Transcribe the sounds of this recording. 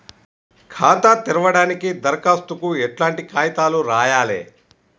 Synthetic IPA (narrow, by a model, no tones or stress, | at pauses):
kʰaːt̪at̪iɾɐʋɐɽaːnikid̪ɐɾkaːst̪ukuɛʈlaːɳʈikaːjɐt̪aːluɾaːjaːlḛː